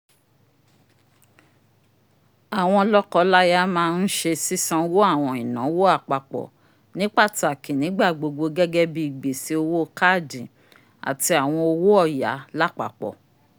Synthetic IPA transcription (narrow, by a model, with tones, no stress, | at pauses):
a˨w̃ɔ̃˧lɔ˦kɔ˧la˦ja˦mãː˦˧n̩˦ʃe˧si˦sã˧wo˦a˦˨w̃ɔ̃˧i˨nã˨˦wo˦a˦˨k͡pa˨k͡pɔ̰˨ | nĩ˨˦k͡pa˦˨ti˨a˨kĩ˨nĩ˨˦ɡ͡ba˦˨ɡ͡bo˧ɡ͡bo˧ɡɛ˦ɡɛ˦bi˦i˦˨ɡ͡be˨si˨˦o˧wo˦˧ka˦˨dĩ˨ | a̰˨ti˧a˨w̃ɔ̃˧o˧wo˦ɔ˦˨ja̰˨˦la˦k͡pa̰˨k͡pɔ̰˨